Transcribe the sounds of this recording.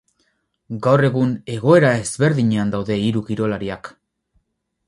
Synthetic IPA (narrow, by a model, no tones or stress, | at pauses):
ɡawre̞ɣune̞ɣ̞o̞e̞ɾae̞zβe̞ɾðiɲeand̪awðe̞iɾukiɾo̞laɾiak